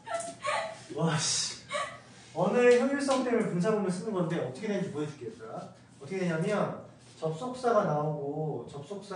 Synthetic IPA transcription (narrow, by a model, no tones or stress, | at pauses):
wʌɕ | ʌnɯɭçuŋuɭs͈ʌŋt͈ʰemɯɭpunt͡ɕʰaŋomɯns͈ɯnɯnɡʌndeʌt͈ʌkʰedeɯnd͡ʑimojʌd͡ʑɯ̥k͈et͈̚a | ʌt͈ʰʌkedeɲamjʌn | t͡ɕʌp̚s͈ok̚s͈aɡanaoɡot͡ɕʌp̚s͈ok̚s͈a